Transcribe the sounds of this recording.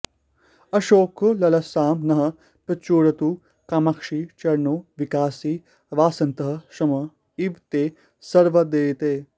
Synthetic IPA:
ɐʃoːkolɐlɐsaːmnɐɦɐ̆ | pɐt͡ʃoːɾɐt̪uː | kaːmɐkʂit͡ʃɐɾnoːʋikaːsiː | ʋaːsɐnt̪ɐɦɐʃɐmɐ | iʋt̪eː | sɐɾʋɐd̪eːt̪eː

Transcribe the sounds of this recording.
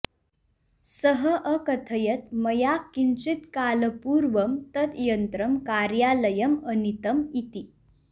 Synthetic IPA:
səɦəʔəkət̪ʰəjət̪̚məjakːint͡ɕit̪kaləpuɾʋəmt̪ət̪jənt̪ɾəmkaɾjaləjəmənit̪əmit̪i

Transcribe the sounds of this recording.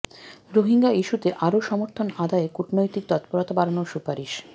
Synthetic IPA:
ɾoɦiŋɡaiʃut̪eʔaɾoʃɔmoɾt̪ʰonad̪aekuʈnojt̪ik̚t̪ɔt̪poɾot̪abaɾanoʃupaɾiʃ

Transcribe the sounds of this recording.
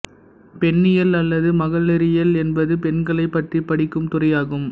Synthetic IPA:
pɛɳːɪjɐlɐlːɐðɯmɐɣɐɭːɐɾɪjɐlɛnbɐðɯpɛɳɡɐɭɐɪpːɐʈripːɐɽɪkːɯmt̪ʊrɐjaːɣɯm

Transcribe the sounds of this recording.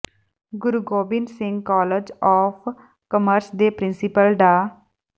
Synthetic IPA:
ɡʊɾuɡoːbɪnsɪŋɡkɔːləd͡ʒɔːfʰ | kəməɾsd̪eːpɾɪnsɪpəlɖ̪aː

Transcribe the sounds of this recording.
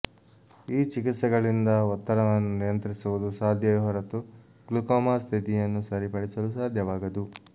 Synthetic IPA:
iːt͡ʃik̬it̪sɐɡɐɭind̪ɐɔt̪ːɐɾɐʋɐnːunijɐnt̪ɾisuʋud̪usaːd̪ʱjɐɦɔɾɐt̪u | klukɔːmaːst̪ʰit̪ijɐnːusɐɾipɐɽit͡ʃɐlusaːd̪ʱjɐʋaːɡɐd̪u

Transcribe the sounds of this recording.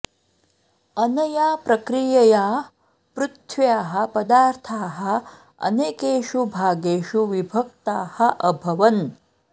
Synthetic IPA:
ɐnɐjaːpɾɐkɾijɐjaː | pɾut̪ʰʋjaːɦɐ̆pɐd̪aːɾt̪ʰaːɦɐ̆ | ɐ̰neːkeːʃubʱaːɡeːʃuʋibʱɐk̚t̪aːhɐʔɐbʱɐʋɐn

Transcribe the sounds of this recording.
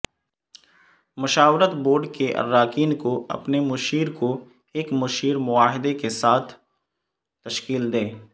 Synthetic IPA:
mʊʃaːʋɾət̪boːɾɖkeʔɐ̰ɾːaːkiːnkoɐ̰pnemʊʃiːɾko | eːkmʊʃiːɾmʊaːɦɪd̪ekesaːt̪ʰ | t̪ɐʃkiːld̪eː

